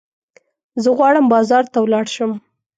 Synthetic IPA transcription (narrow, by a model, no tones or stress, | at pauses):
zəɣwɑɽəmbɑzɑɾt̪awlɑɽʃəm